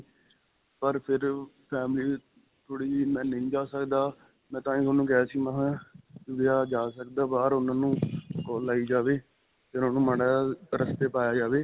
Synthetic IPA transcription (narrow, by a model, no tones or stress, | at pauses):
pəɾpʰɪɾpʰɛːmliː | t̪ʰʊɽiːmɛ̃ːnə̃ĩːd͡ʒaːsəkd̪aː | mɛ̃ːt̪ãːĩːsənũːkɛasiːmãɦãːʊʋɪjaːd͡ʒaːsəkd̪aːbaːɾʊnãːnũːkɔːlːaːiːd͡ʒaːʋeː | t̪ɪɾãːnũːməɽaːɾəst̪eːpaːjaːd͡ʒaːʋeː